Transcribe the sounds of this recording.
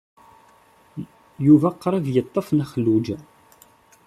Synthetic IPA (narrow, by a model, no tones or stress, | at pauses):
juvæqːɾˤɑvjət̪ˤːəfnæχəlːud͡ʒ